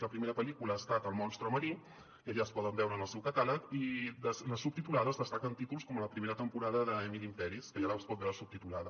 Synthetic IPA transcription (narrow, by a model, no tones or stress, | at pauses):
ləpɾimeɾəpəlikuləːst̪at̪əlˠmɔnst̪ɾoməɾi | iəʎaəspɔðəmbɛwɾənəlˠsɛwkət̪aləkidəsləsup̚t̪it̪ulaðəzðəst̪akənt̪it̪ulˠskɔmələpɾimeɾət̪əmpuɾaðəðəɛmilimfɛɾiskəʒaɾaspɔt̪bɛwɾəsup̚t̪it̪ulaðə